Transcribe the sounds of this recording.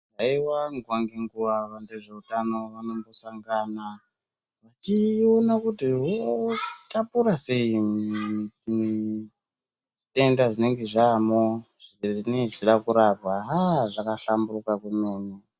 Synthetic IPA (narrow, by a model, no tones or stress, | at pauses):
aiwaŋɡwaŋɡeŋɡuʋaʋandeʐe̞utano̞ʋanombosaŋɡaːna | ʋat͡ʃionakutiwotapuɾase̞i | mi | ʐite̞ndaʐine̞ŋɡe̞ʐamoʐineʐiɗakuɾab̚waɦaʐakaɬamburukakwemeːne